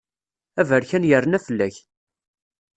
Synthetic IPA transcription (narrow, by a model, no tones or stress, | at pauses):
ævəɾçænjərːənæfəlːæç